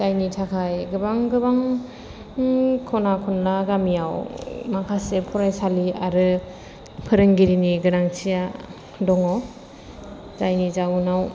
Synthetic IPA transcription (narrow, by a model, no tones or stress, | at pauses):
zajnitʰakʰajɡɯbaŋɡɯbaŋ | kʰɔnakʰɔnlaɡamijawmakʰasepʰɔɾajsalia̰ɾɯ | pʰɯɾɯŋɡiɾiniɡɯɾaŋt͡ʃʰija | dɔŋɔ | zajnizawnaw